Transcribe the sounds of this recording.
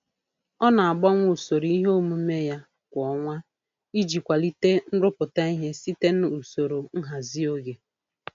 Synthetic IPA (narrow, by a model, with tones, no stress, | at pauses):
ɔ˦na˨a˨ɡ͡bɔ˦ŋʷʊ˨so˨ɾi˦ɦo˦mu˦me˦ja˦ | kʷɔ˨˦ŋʷa˦ | i˦d͡ʒi˨kʷa˨li˦te˦n̩˦ɾʊ˦pʊ˨ta˦i˦ɦe˦si˦te˦n̩˦u˨so˨ɾo˨ŋ̩˦ɦa˨zi˦o˦ɡe˨